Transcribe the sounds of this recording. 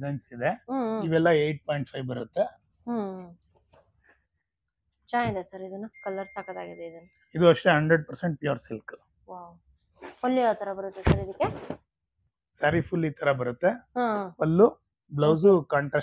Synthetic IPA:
zɐjnsid̪eɦiʋɛlːɐejʈ̚poːjɳʈ̚pʰɐjʋbɐɾut̪ːe̞ | ɦ | t͡ʃaːj̪d̪esɐɾid̪unːukɐlːɐɾsaːkɐd̪aːɡid̪eid̪ɐnːu | id̪uɐʂʈeɦɐɳɖɾeɖ̚pɐɾseɳʈ̚pjuːɾsilk | ʋaw | ɐlːejoːt̪ʰɐɾɐbɐɾut̪ːesɐɾid̪ɐkːe | sɐɾifulːiːt̪ʰɐɾɐbɐɾut̪ːe̞ɦãʋɐlːu | blɐws̬ukɐɳʈɾɐ

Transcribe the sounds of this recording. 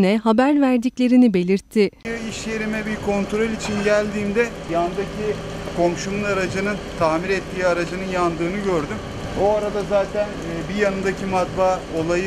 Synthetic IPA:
nɛɦabæɾvæɾd̪iclʲe̞ɾinibe̞lʲiɾt̪ʰːɪɯiʃje̞ɾimɛbiɾkʰo̞nt̪ʰɾo̞lʲit͡ʃʰinɟælʲd̪iːmd̪ɛ | jand̪acʰi | kʰo̞mʃumɯnaɾad͡ʒɯnɯnt̪ʰaːmiɾɛt̪ʰːiːaɾad͡ʒɯnɯnjand̪ɯːnɯɟø̞ɾd̪ym | boaɾad̪azaːt̪ʰænːbijanɯnd̪acʰimat̪baː | o̞lˠajɯ

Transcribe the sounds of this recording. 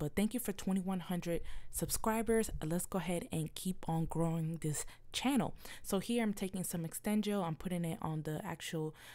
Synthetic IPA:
b̥ʌt̪̚θæ̃ŋkjɨfə˞tʰw̥ɛ̃ɾ̃iwʌ̃nhʌ̃ndɹɨd̥̚sɨb̥skɹaɪbə˞z̥lɛtsɡ̥oʊəɦɛɾɨ̃nkʰipn̩ɡɹoʊɪ̃ŋðɪst͡ʃʰænl̩ˠsoʊhiɹãɪ̃mtʰeɪkɪ̃ŋsʌ̃mɨkstɛ̃nd͡ʒəãɪ̃mpʰʊɾɪ̃ŋɪɾn̩ðiʔæ̰k̚t͡ʃul̩ˠ

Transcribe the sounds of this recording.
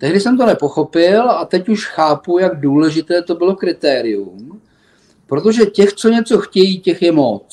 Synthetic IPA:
t̪ɛɦdɪsɛmt̪o̞nɛpo̞xo̞pɪlat̪ɛcuʃxaːpujaɡduːlɛʒɪt̪ɛːt̪o̞bɪlo̞kɾɪt̪ɛːɾɪjum | pɾot̪o̞ʒɛcɛxt͡so̞ɲɛt͡so̞xcɛjiːcɛxjɛmot͡s

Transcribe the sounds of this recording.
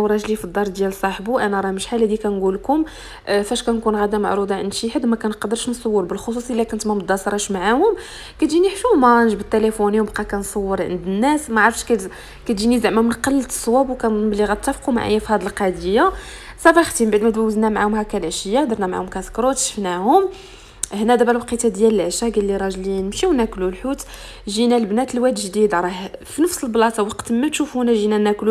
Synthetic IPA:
wɾˤɑʒlifid̪ˤːɑɾˤd̪jælsˤɑħbuʔænæɾˤɑməʃħalæd̪ikænɡulkʊm | fæʃkænkunɣæd̪æma̰ʕɾud̪ˤɑʕə̰nʃiħəd̪mækænqɑd̪əɾˤʃnsˤɑwːəɾbəlxos̬usˤilːækʊnt̪mæməd̪ːɑsɾˤɑʃmaʕahʊm | kæt̪ʒiniħfumænʒbət̪ːælefunjmbqɑkænsˤɑwːəɾˤʕə̰nd̪ənːæsmæʕɑɾˤfʃkæ | kæt̪d͡ʒinizəʕmæmənqɑlːsˤwæbwkænblːiɣæt̪ːæfquma̰ʕa̰jːæfhæd̪əlqɑd̪əjːa | sɑbɑxt̪imbaʕd̪mæd̪wæwəznæmaʕahʊmhækælʔʃəjːad̪əɾˤnæmaʕa̰hʊmkæskɾˤot̪ʃə̥fnæhʊm | hnæd̪æbælwɑqit̪æd̪jæləlʕʃæɡælːiɾˤɑʒlinəmʃiwnæklulħut̪ | ʒinælbnæt̪əlwæd̪ʒd̪id̪ɾˤɑhfinəfsəlblɑt̪ɑwɑqt̪mæt̪ʃufhunæʒinænæklu

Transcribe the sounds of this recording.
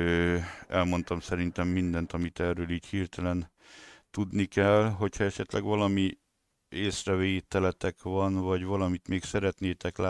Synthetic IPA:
øɛlmo̞nt̪ɒmsɛɾint̪ɛmːind̪ɛnt̪ɒmit̪ɛrøːliːchiːrt̪ɛlɛn | t̪ud̪nikɛlɦo̞chɒɛʃɛt̪lʔɛ̰ɡʋɒlɒmi | eːsrɛveːt̪ɛlɛt̪ɛkʋɒnvɒɟʋvɒlɒmit̪meːksɛɾɛt̪neːt̪ɛklaː

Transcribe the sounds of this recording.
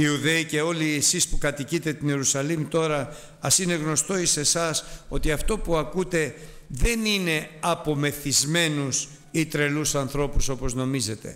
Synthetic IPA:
iuðe̞ice̞o̞liesispukɐt̪icit̪e̞t̪ine̞ɾusɐlimut̪o̞ɾɐ | ɐsine̞ɣno̞st̪o̞ise̞sɐso̞t̪iɐft̪o̞puɐkut̪e̞ðe̞nine̞ɐpo̞me̞θizme̞nus | it̪ɾe̞lusɐnθɾo̞puso̞po̞zno̞mize̞t̪e̞̰

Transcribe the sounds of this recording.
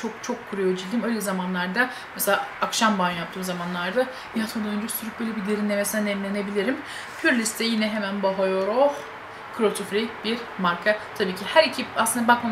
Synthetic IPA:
t͡ʃʰo̞k̚t͡ʃʰo̞kʰːuɾujo̞d͡ʒilʲd̪ʲiːmø̞jlʲɛzamanlˠaɾd̪a | mɛselʲaːkʃambanjapt̪ʰɯːmzamanlˠaɾd̪a | iat̪ʰod̪aønd͡ʒɛsyɾyp̚bø̞jlʲɛbid̪eɾinlʲɛmɛsanɛmlʲenebilʲiɾim | pʰyɾlʲist̪ʰɛjinɛɦemænbaɦojoɾox | kʰɯɾot̪ʰufɾib̥iɾ | maɾkʰat̪ʰabiːcʰihæɾicʰipasˠɯnd̪abakma

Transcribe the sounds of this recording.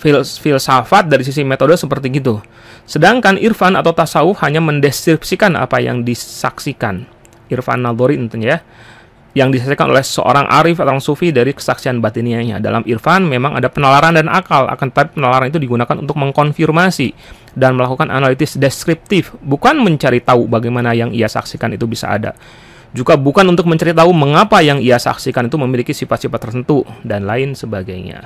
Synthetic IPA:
ffilsafat̪̚daɾis̬is̬imet̪odosəpərt̪iɡit̪u | sədaŋkanʔirfanat̪awt̪asaufhaɲaməndɛskɾipsikana̰paja̰ŋdisa̰ksika̰n | irfa̰nːad̪oɾint̪uɲja | jaŋdisaksikano̰lɛhsə̰ʔo̰ɾaŋʔa̰ɾɪfat̪aaŋsufidaɾikə̥saksianbat̪iniaɲa̰da̰la̰mirfanmemaŋʔa̰dapənalaɾandana̰kala̰kant̪t̪apipənalaɾanit̪udiɡunakanṵnt̪ʊk̚məŋkɔnfirmasi | danməlakukanʔa̰nalit̪ɪsdeskɾip̚t̪ɪfbukanməɲt͡ʃaɾit̪aubaɡajmanajaŋiasa̰ksikanḭt̪ubisa̰ːda̰ | d͡ʒuɡabukanunt̪ʊk̚məɲt͡ʃaɾit̪auməŋapajaŋiasa̰ksikanit̪uməmilikisifat̪sifat̪ːərt̪ənt̪udanlaɪnsəbaɡajɲa̰

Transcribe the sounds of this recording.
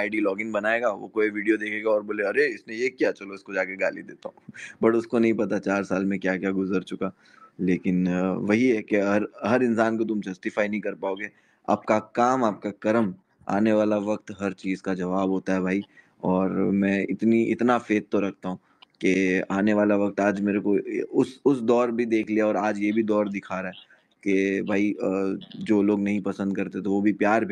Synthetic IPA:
aːɪɖilɔːɡɪ̃nbɐnaːeːɡaːʋo̰koːiʋiːɖijod̪eːkʰeːɡaɔːɾboːleɐɾeɪsnẽjekijat͡ʃɐloɪskod͡ʒaːkeɡaːlid̪eːt̪aɦũbɐʈʊskonɐɦĩpɐt̪at͡ʃaːɾsaːlmẽkjaːkjaːɡʊzəɾt͡ʃʊka | leːkɪnʋɐɦiɦɛkeɐɾɦɐɾɪ̃nsaːnkot̪̬ʊmd͡ʒɐsʈɪfaːinɐɦĩkɐɾpaːoːɡeː | a̰ːp̚kakaːmaːp̚kakɐɾəm | a̰ːneʋaːlaʋɐk̚t̪ɦɐɾt͡ʃiːzkad͡ʒɐʋaːbɦoːt̪aɦɛbʱaːi | ɔːɾmɛ̃ːɪt̪niʔɪ̰t̪nafeːt̪̚t̪oɾɐk̚ʰt̪aɦũː | keaːneʋaːlaʋɐk̚t̪aːd͡ʒmeːɾekoʊsʊsd̪ɔːɾbʱid̪eːkʰliaɔːɾaːd͡ʒjebʱid̪ɔːɾd̪ɪkʰaːɾaɦɛ | kebʱaːi | d͡ʒoːloːɡnɐɦĩpɐsə̃nd̪̚kɐɾt̪et̪oʋobʱipjaːɾbʱ

